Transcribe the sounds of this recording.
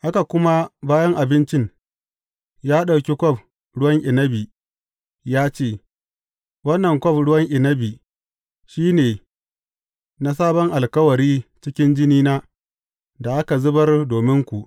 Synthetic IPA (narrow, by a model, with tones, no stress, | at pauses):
ha˦ka˨kʷʊ˦ma˦baː˦jɐ˦ŋʔa˨bɪ˦nt͡ʃɪ˦ŋ | jaː˦ɗa˨wkʲe˦kʷɔ˦˨ɸ | ɽʊ˦wɐ˦ŋʔɪ˨nɐ˦bi˨ | jaː˦t͡ʃeː˦˨ | wɐ˦nːɐ˨ŋkʷɔ˦ɸɽʊ˦wɐ˦ŋʔɪ˨nɐ˦bi˨ | ʃiː˦neː˨ | na˦s̬aː˦bɔ˦ŋʔa˨lkɐ˦wɐ˨ɾiː˦t͡ʃɪ˦kʲɪ˦nd͡ʒɪ˦niː˦naː˦ | da˨ʔa˦ka˨zʊ˦bɐ˦rdoː˨mɪ˦ŋkʷu˨ʔ